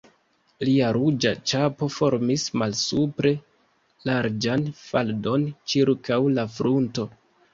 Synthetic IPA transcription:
liaɾud͡ʒat͡ʃapo̞fo̞ɾmismalsupɾe̞ | laɾd͡ʒanfaldo̞nt͡ʃiɾkawlafɾunto̞

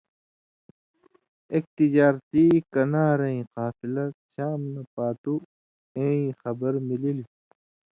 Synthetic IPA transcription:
ek̚t̪id͡ʑaːɾt̪ikɐnaːɾɐĩqaːfilɐɕaːmnɐpaːt̪u | ẽĩxɐbɐɾmilili

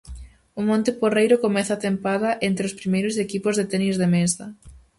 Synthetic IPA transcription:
ʊmõnt̪ɪporejɾʊkomɛθɐat̪empaðɐʔent̪ɾeospɾimejɾʊsekipʊzðet̪ɛnizðemesðɐ

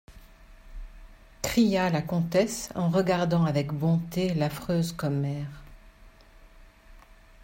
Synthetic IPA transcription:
kχijalakɔ̃t̪ɛsɑ̃ʁəɡaʁd̪ɑ̃avɛkbɔ̃t̪elafχøːzkɔmɛːʁ

